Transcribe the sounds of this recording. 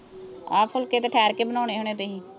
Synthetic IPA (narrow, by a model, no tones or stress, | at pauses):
ɔːpʰʊlkeːt̪eːʈʰɛːɾkeːbənaːneːɦoːñeːt̪eːɦĩː